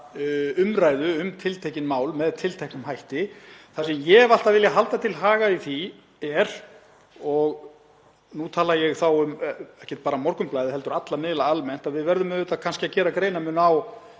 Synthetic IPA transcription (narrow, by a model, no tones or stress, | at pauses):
ʏmɾaːjðʏʏmt̪ʰɪlt̪ʰejcɪnmaːwlmɛðt̪ʰɪlt̪ʰɛhknʏmhajht̪ɪθasɛmjɛval̥t̪aðvɪljaɦalt̪at̪ʰɪlɦaːɣaiθi | ɛɾ | ɔɣ | nut̪ʰaːlajɛɣθawʏmɛhcɛ̥t̪̚paːɾamɔɾkʏmplaːjðɪhɛlt̪ʏɾat̪lamɪːðɪlaalmɛn̥t̪aðvɪðvɛɾðʏmʏðʏt̪akʰanscɪacɛːɾakɾeːjnamʏnaw